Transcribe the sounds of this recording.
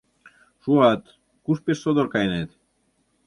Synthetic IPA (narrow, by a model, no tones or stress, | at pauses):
ʃuat̪ | kuspessod̪oɾkajnet̪